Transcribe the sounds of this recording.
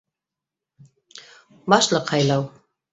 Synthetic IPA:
bɑʃlˠɤqhɑjlˠɑw

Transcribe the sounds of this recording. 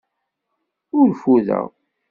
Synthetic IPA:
ʊɾfuðæ̰w

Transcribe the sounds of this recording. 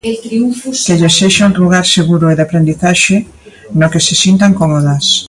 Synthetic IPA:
t̪ɾiufkeʎeseʃaunruɣ̞aɾseɣuɾʊeðapɾend̪iθaʃɪ | nokesɪsint̪aŋkɔmoðɐs

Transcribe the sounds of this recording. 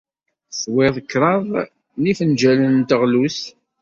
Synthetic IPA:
swɪðˤəkːɾˤɑðˤ | nifənd͡ʒælənt̪əʁlus

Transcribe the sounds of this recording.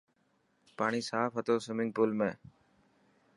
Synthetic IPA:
paːɳ̃iːsaːfɦət̪oːsʊmɪŋɡ̚puːlmẽː

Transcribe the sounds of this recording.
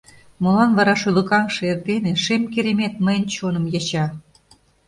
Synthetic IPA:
molɑnvɑɾɑʃylə̆kɑŋʃɤert̪eneʃemkeɾemet̪̚məjənt͡ɕonə̆mjɑt͡ɕɑ

